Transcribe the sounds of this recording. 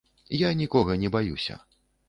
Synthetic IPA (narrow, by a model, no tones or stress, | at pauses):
janʲikɔɣɐnʲɛbajusʲɐ̰